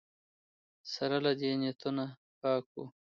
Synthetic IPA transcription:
saɾalad̪enjet̪una | pɑːku

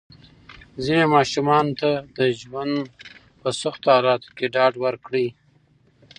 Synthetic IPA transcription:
zinemɑʃumɑnt̪ad̪əʒwand̪ | pəsaxt̪ohɑlɑt̪o̥keɖɑɖwəɾkɽi

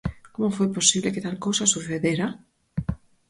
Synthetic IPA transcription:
komofojposiβleket̪alkowsasuθeðeɾa

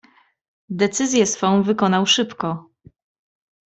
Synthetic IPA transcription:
d̪ɛt̪sɘzʲjɛsfɔ̃w̃vɘkɔnawʂɘpkɔ

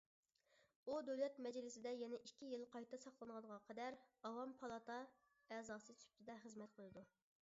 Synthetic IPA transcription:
ud̪øwlɛt̪mɛd͡ʒlɪsɪd̪ɛjɛnɛʔikʲʰːijɪlˠqʰɑjt̪ʰɑsɑχlˠɨnʁɑnəʁɑqʰɛd̪æɾɑwɑmpʰɑlˠɑt̪ʰɑ | ɛzɑːsɨt͡ʃ̪ʰy̥p̚t̪ʰɪd̪ɛχəzmɛt̪̚qʰəlˠɨd̪u

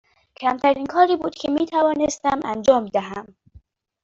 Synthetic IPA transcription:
cʰæmt̪ʰæɾiːnkʰɒːɾiːbuːd̪̥cʰemiːt̪ʰævɒːnest̪æmʔænd͡ʒɒːmd̪æɦæm

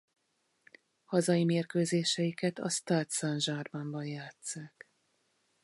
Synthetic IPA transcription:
hɒzɒjimeːrkøːzeːʃɛjikɛt̪ɒ̰st̪aːt̪sanʒaːrmaːmbɒnjaːt̪saːk

